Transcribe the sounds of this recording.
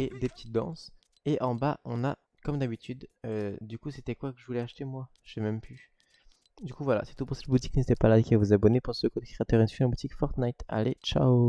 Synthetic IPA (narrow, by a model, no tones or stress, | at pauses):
ed̪epə̥t̪ʰi̥t̪̚d̪ɑ̰̃s | eʔɑ̃baʔɔ̃na | kɔmd̪abit̪yd̪ød̪ykuset̪ɛkwakəʒəvulɛaʃt̪emwa | ʒ̥ɛmɛmpy | d̪ykuvwala̰si̥t̪upuʁsɛt̪̚but̪i̥knet̪ɛpalad̪əkʲiavuzabɔnepɑ̃sokod̪kχeat̪œʁɛnsɥĩabut̪ikfɔʁt̪najt̪a̰let͡ʃa̰o